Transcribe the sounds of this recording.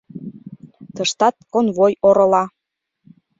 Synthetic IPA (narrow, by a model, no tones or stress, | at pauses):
t̪əʃt̪ɑt̪̚konβojoɾɤ̆lɑ